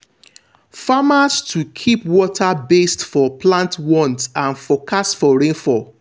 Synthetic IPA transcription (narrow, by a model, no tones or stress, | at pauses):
famastʰukʰipwɔtʰabestfɔplãntwɔ̃ntãnfɔkʰasfɔɹẽnfɔ